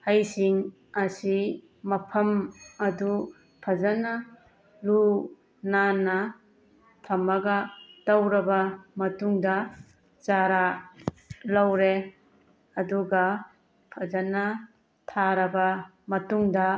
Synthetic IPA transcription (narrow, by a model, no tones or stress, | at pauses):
hɐjsiŋ | ɐsi | mɐpʰɐmɐdu | pʰɐzɐnɐ | lu | nanːɐ | tʰɐmɐɡɐd̥ɐwɾɐbɐmɐtuŋdɐ | t͡ʃaɾa | lɐwɾe | ɐduɡɐ | pʰɐzɐnːɐ | tʰaɾɐbɐ | mɐtuŋdɐ